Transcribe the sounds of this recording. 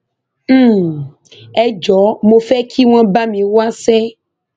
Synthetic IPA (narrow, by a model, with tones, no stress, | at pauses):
m̩˦ | ɛ˦d͡ʒɔ˨˦mõ˨fɛ˦kʰi˦w̃ã˦ba˦mĩ˨wo˦a˦sɛ˦